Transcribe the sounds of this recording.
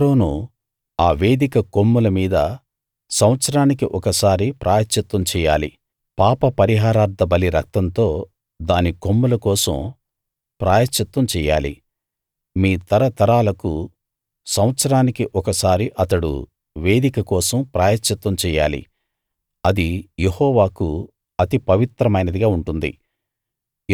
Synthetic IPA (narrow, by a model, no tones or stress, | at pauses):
ɾoːnu | aːʋe̞ːd̪ikɐkomːulɐmiːd̪ɐ | sɐmɐt̪sɐɾaːnikiʔɔkɐsaːɾipɾʔaːjɐt͡ʃːɐt̪wɐmt͡ʃɛːja̰ːlḭ | paːpɐpɐɾiɦaːɾaːɾd̪ʱɐbɐliɾɐk̚t̪ɐnt̪o̞ː | d̪aːniko̞mːulɐkɔːsɐ̰m | pɾaːjɐt͡ʃːɐt̪wɐmt͡ʃɛːja̰ːlḭ | miːt̪ɐɾɐt̪ɐɾaːlɐku | sɐmɐt̪sɐɾaːnikiʔɔkɐsaːɾiʔɐt̪ɐɽṵ | ʋe̞ːd̪ikɐkɔːsɐmpɾaːjɐt͡ʃːɐt̪ʋɐmt͡ʃɛːjaːlḭ | ɐd̪ijehɔːʋaːku | ɐt̪ipɐʋit̪ɾɐmɐjnɐd̪iɡaːuɳʈund̪ḭ